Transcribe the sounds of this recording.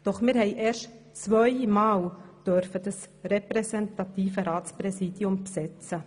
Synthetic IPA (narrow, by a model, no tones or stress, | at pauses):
d̥ɔχmɪːɾhɛɪʔɛːɾʃt | t͡svœʏmɑːld̥øɾfəd̥ɑsɾɛpɾɛsɛntɑt̪iːfəɾaːt͡spɾɛsiːdiʊmpsɛt͡sə